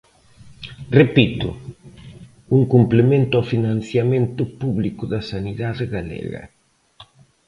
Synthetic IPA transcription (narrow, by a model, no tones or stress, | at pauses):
repit̪ʊ̰ | uŋkumplemẽnt̪ʊawfinanθjamẽnt̪ʊpuβlikʊðɐsaniðaðeɣalɛ̰ɣɐ̰